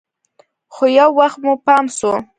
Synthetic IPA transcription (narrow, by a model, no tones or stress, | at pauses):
xojawːaxt̪mupɑmso